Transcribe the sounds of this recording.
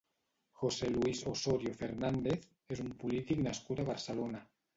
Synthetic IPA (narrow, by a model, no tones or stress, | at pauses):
xoseluisosoɾjofeɾnand̪eθ | esumpulit̪iknaskut̪aβaɾselona